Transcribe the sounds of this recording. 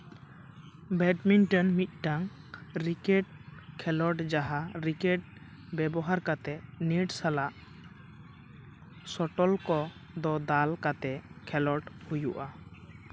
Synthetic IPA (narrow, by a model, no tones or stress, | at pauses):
bɛɖminʈɔnmit̪̚ˀʈaŋɾikɛʈ̚kʰɛlɔʈd͡ʒaɦaɾikɛʈ̚ | bɛbɔɦaɾkat̪ɛniʈsalaʔ | sɔʈɔlkɔd̪ɔd̪alkat̪ɛkʰɛlɔʈhujuʔa